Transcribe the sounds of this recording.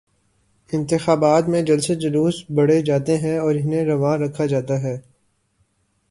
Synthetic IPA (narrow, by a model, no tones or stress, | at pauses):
ɪ̃nt̪ɪxaːbaːt̪mẽd͡ʒɐlsed͡ʒɐluːsbɐɽed͡ʒaːt̪eɦɛ̃ɔːɾɪnẽɾɐʋãːɾɐkʰːad͡ʒaːt̪aɦɛː